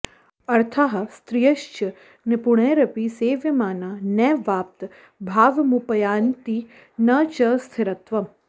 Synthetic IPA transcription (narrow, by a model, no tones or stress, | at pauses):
ɐɾt̪ʰaɦɐst̪ɾijəʃt͡ʃə | nepuɽ̃eːɾəpiːseːʋjəmaːnanɛːʋaːp̚t̪ | bʱaːʋmupəjaːnt̪i | nət͡ʃəst̪ʰɪɾət̪ʋə